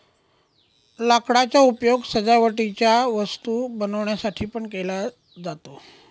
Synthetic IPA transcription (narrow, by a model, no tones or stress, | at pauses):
lakɽat͡ɕjaupjoɡsəd͡zaʋəʈit͡ɕjaʋəst̪uːbənəʋɳjasaʈʰiːpəɳkela | d͡zat̪o